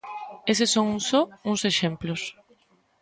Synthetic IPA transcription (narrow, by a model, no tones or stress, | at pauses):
es̬ɪsːoŋusoũŋseʃẽmplos